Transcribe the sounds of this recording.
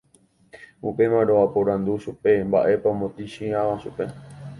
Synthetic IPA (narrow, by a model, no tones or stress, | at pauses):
upe̞mãɾoapoɾãnd̪uʃupe̞mba̰ʔe̞pãmõt̪iʃĩãʋaʃupe̞